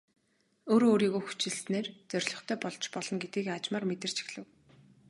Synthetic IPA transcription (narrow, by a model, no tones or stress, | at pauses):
oːɾoːɾiːɣoːxu̥t͡ɕɪ̆ɮneːrt͡sœrʲɮɞ̆χt̪ʰœːpɔɮt͡ɕpɔɮɞ̆nɡet̪ɡiːkat͡ɕmaːrmet̪ɘ̆r̥t͡ɕʰi̥xɮɘ̆w